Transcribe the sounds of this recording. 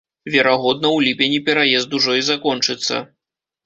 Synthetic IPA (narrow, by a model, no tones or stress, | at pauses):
vʲɛɾaɣɔd̪̚nɐwlʲipʲenʲipʲɛɾajɛzd̪uʐɔizakɔnt͡ʂɨt̪sːɐ̰